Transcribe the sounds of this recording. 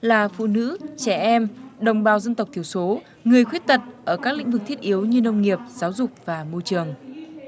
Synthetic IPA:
laː˨˩fṵ˧˨nɨ̰˧˥t͡ɕɛ˧˩ʔɛ˧mɗə˨˩wŋ͡mɓaː˨˩wzə˧nt̪ə˨˩w̚t̪ʰi˧˩əwso˨˦ | ŋɨ˨˩əjxwi˦˥ət̚t̪ə˨˩t̚ʔəː˧˩kaː˦˥k̚lḭ̈˧˥ŋ̟vɨ˨˩k̚t̪ʰi˦˥t̚ʔi˨˦əwɲɨ˧nə˧wŋ͡mŋi˨˩əp̚z̥aː˨˦wzʊ˨˩k͡p̚vaː˨˩mo˧t͡ɕɨ˨˩əŋ

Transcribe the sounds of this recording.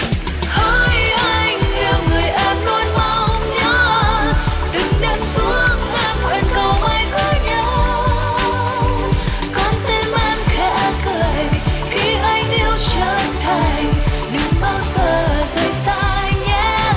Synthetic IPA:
hə˧˦jʔa˧jŋla˨˩wŋɨ˨˩əjʔaː˧˥nlɔ˧nma˧˩wɲɔ˧˦ | t̪ɨ˨˩ŋɗa˧˩msu˨˦əŋla˧mkwə˨˩nkə˨˩wʔa˧jkə˧˦ɲə˧˦ww | kɔ˧˩nt̪e˧nla˧mxa˧˦kəː˨˩jxi˧ʔa˧jŋ̟ʔi˧əwt͡ɕəː˧˨˩nt̪ʰa˨˩ŋ | ɗɨ˨˦ŋ͡mɓaː˧wzəː˧˩zə˧˦jsaː˧jɲa˧˥

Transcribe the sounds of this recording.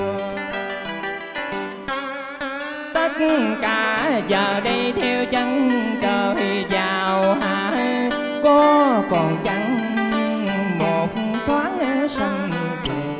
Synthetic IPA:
t̪ə˦˥t̚kaː˧˩˦zəː˨˩ɗə˧jt̪ʰɛ˧wt͡ɕə˧nɗəː˨˩i˧˩zaː˨˩wɦaː˨˩ | kɔ˧kɔ˨˩nt͡ɕa˧˩ŋ˧ | mo˨˩t̚t̪ʰwaː˨˦˥t̚ʔsa˧ŋ˧˨˩

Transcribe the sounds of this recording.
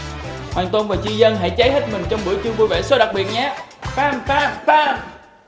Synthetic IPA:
hwa̰ː˨˩nt̪wo˧nvaː˨˩t͡ɕi˧zə˧nɦa̰˧˥jt͡ɕaː˨˦jɦe˦˥t̚mï˨˩ŋ̟t͡ɕɔ˧wŋ͡mɓu˧˩əjt͡ɕɨ˧ŋvu˧jvḛ˧˩so˨˦ɗa˨˩k̚ɓi˨˩ət̚ɲaː˨˧˦faː˧˨mfaː˧˥faː˧˥˨m

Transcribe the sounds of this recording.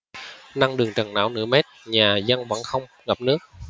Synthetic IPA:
na˧ŋɗɨ˨˩əŋt͡ɕə˨˩ŋna̰ː˧˦wnɨ̰˧˥əme˦˥t̚ɲaː˨˩zə˧ŋvə̰˧˥nxə˧wŋ͡m | ɣa˨˩p̚nɨ˦˥ək̚

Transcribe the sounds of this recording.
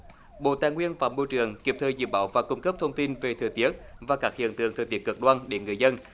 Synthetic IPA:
ɓo̰˧˨t̪aː˨˩ŋwi˧ənfaː˧˩˦mo˧jt͡ɕɨ˨˩əŋki˨˩p̚t̪ʰəː˨˩jzɨ̰˧˩ɓaː˧˦wvaː˨˩kʊ˧ŋ͡mkə˦˥p̚t̪ʰə˧wŋ͡mt̪i˧nve˨˩t̪ʰɨ̰˨˩ət̪i˦˥ət̚vaː˨˩kaː˦˥k̚hḭ˧˨ənt̪ɨ̰˨˧˩əŋt̪ʰɨː˨˩jt̪i˦˥əkə˨˧˩k̚ɗwaː˧nɗe˧˦ŋɨ˨˩əjzə˧n

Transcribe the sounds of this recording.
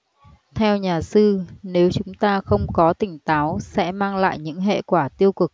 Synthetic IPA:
t̪ʰɛ˧wɲaː˨˩sɨ˧ne˨˦wt͡ɕʊ˨˦ŋ͡mt̪aː˧xə˧wŋ͡mkɔ˨˦t̪ï˧˩ŋ̟t̪aː˨˦wsɛ̰˧˥maː˧ŋla̰ː˧˨jɲɨ̰˧˥ŋɦḛ˧˨kwaː˧˩t̪i˧əwkɨ˨˩k̚

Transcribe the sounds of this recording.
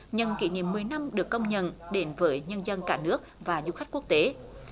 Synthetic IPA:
ɲə˧˩nkḭ˧˩nḭ˧˨əmːɨ˨˩əjna˧mɗɨ˨˩əkːə˧wŋ͡mɲə̰˧˨nɗe˨˦nvəː˨˦jɲə˧nzə˧nkaː˧˩nɨ˦˥ək̚vaː˨˩zṵ˧˥xa˦˥jk̟̚ku˦˥ək̚t̪e˨˦

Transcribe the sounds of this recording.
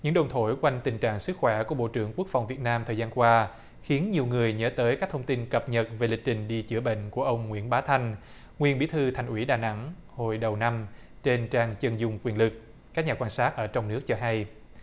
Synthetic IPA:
ɲɨ̰˧˥ŋɗə˨˩wŋ͡mt̪ʰo˧˩jkwa˧jŋ̟t̪ï˨˩ŋt͡ɕa̰ː˧˨ŋsɨ˦˥k̚xwɛ˧˩ku˧˩əɓo̰˧˨t͡ɕɨ̰˧˩əŋku˦˥k̚fa˨˩wŋ͡mvi˨˩ət̚naː˧mt̪ʰə˨˩zaː˧nkwaː˧ | xi˨˦ənɲi˨˩əwŋɨ˨˩əjɲəː˨˦t̪əː˨˦jkaː˦˥k̚t̪ʰə˧ŋ͡mt̪i˧nkə˨˩p̚ɲə˨˩t̚ve˨˩lï˨˩k̚t͡ɕï˨˩ŋ̟ɗi˧t͡ɕɨ̰˧˩əɓḛ˧˨ŋ̟ku˧˩əʔə˧wŋ͡mŋwḭ˧˥˩ənɓaː˨˦t̪ʰa˧jŋ̟ | ŋwi˧˩ənɓi˨˦t̪ʰɨ˧t̪ʰa˨˩jŋ̟ʔwḭ˧˩ɗaː˨˩na̰˧˥ŋho˨˧˩jɗə˨˩wna˧m | t͡ɕe˧nt͡ɕaː˧ŋt͡ɕə˧nzʊ˨˧˩ŋ͡mkwi˨˩ənlɨ˨˩k̚ | ka˦˥k̚ɲaː˨˩kwaː˧nsaː˦˥t̚ʔəː˧˩t͡ɕɔ˧wŋ͡mnɨ˦˥ək̚t͡ɕɔ˧ɦa˧j

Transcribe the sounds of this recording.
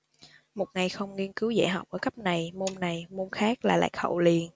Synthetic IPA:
mo˨˩t̚ŋa˨˩jxə˧wŋ͡mŋi˧ənkɨ˨˦wzḛː˧˥˩ɦa˨˩k͡p̚ʔəː˧˩kə˦˥p̚na˨˩jmo˧nna˨˩jmo˧nxaː˦˥k̚laː˨˩la̰ː˧˨jhə̰˧˩wli˨˩ən

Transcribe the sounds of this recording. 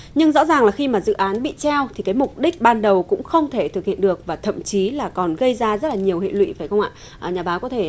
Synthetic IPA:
ɲɨ˧ŋzɔ̰˧˥zaː˨˩ŋlaː˨˩xi˧maː˨˩zɨ̰˧˨ʔaː˨˦nɓḭ˧˨t͡ɕɛ˧wt̪ʰi˨˩kaː˨˦jmʊ˨˩k͡p̚ɗï˦˥k̟̚ɓaː˧nɗə˨˩wkʊ̰˧˥ŋ͡mxə˧wŋ͡mt̪ʰe˧˩t̪ʰɨ˨˩k̚hḭ˧˨ənɗɨ˨˩ək̚vaː˨˩t̪ʰə̰˧˨mt͡ɕi˨˦laː˨˩kɔ˨˩nɣə˧jzaː˧zə˦˥t̚laː˨˩ɲi˨˩əwhḛ˧˨lwḭ˧˥vaː˧˩jxə˧wŋ͡ma̰ː˧˨ | ʔɲaː˨˩ɓaː˨˦kɔ˨˦t̪ʰe˧˩

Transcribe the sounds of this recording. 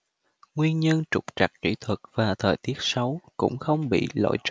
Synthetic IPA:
ŋwi˧ənɲə˧nt͡ɕʊ˨˩k͡p̚t͡ɕa˨˩k̚t͡ɕḭ˧˩t̪ʰwə˨˩k̚vaː˨˩t̪ʰəː˨˩jt̪i˦˥ət̚sə˨˦wkʊ̰˧˥ŋ͡mxə˧wŋ͡mɓḭ˧˨lo̰˧˥jt͡ɕ

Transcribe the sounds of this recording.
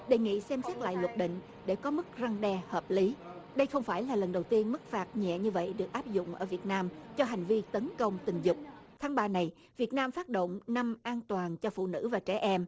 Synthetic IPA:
ɗe˨˩jŋḭ˧˨sɛ˧msɛ˦˥t̚la̰ː˧˨jlwə˨˩t̚ɗḭ̈˧˨ŋ̟ | ɗe˧˩kɔ˨˦mɨ˦˥k̚za˧ŋɗɛ˧həː˨˩p̚li˨˦ɗə˧jxə˧wŋ͡mfaː˧˩jlaː˨˩lə˨˩nɗə˨˩wt̪i˧ənmɨ˦˥k̚faː˨˦˩t̚ɲɛ̰˧˨ɲɨ˧və̰˧˨jɗɨ˨˩ək̚ʔaː˦˥p̚zʊ̰˧˨ŋ͡mʔə̰ː˧˩vi˨˩ət̚naː˧mt͡ɕɔ˧ɦa˨˩jŋ̟vi˧t̪ə˨˦nkə˧wŋ͡mt̪ï˨˩ŋ̟zʊ˨˩k͡p̚t̪ʰaː˨˦ŋɓaː˧na˨˩j | vi˨˩ət̚naː˧mfaː˦˥t̚ɗo̰˧˨wŋ͡mna˧mʔaː˧nt̪waː˨˩nt͡ɕɔ˧fṵ˧˨nɨ̰˧˥vaː˨˩t͡ɕɛ˧˩ʔɛ˧m

